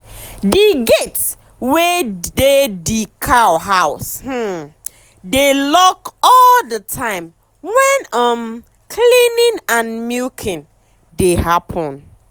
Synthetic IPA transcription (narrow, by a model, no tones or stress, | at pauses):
diɡets | wɛdedikʰaʊɦaʊsh̩ | delɔkɔldətʰãɪ̃m | wɛ̃nʌm | kʰlĩnɪ̃nãnmikʰɪ̃n | deɦapʰɔ̃n